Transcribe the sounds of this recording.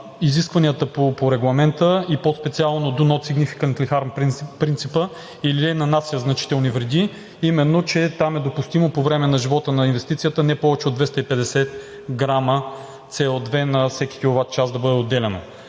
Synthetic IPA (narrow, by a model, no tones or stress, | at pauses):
iziskvɐniət̪əpopoɾɛɡlˠɐmɛnt̪əipospɛt̪sialˠnod̪unɔt̪siɡnifi̥kənt̪lʲixaɾmppɾint̪sipə | iliɛnɐnat̪sijəznɐt͡ʃi̥t̪ɛlˠnivɾɛd̪i | imɛnːot͡ʃɛt̪amɛd̪opust̪imopovɾɛmɛnɐʒivɔt̪ənɐinvɛst̪it̪sijət̪ənɛpɔvɛt͡ʃɛod̪vɛst̪əipɛd̪ɛsɛt̪̚ | ɡɾamə | t̪sɛɔd̪vɛnɐfsɛkʲi̥kʲilˠʊvat̪̚t͡ʃasd̪ɐbɤd̪ɛod̪ːɛlɛno̰